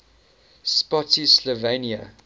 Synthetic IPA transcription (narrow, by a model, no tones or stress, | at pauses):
spɔtislɔveniə